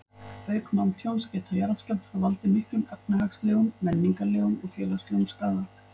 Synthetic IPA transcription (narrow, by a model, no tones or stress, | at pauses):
pœːɥkmawnt̪ʰjownscɛt̪ʰajaɾascɛlt̪avalt̪ɪmɪhklʏmɛp̚nɪɦaksleːɣʏmːɛnːiŋkaleːɣʏmɔɣfjɛːlasleɣumskaːða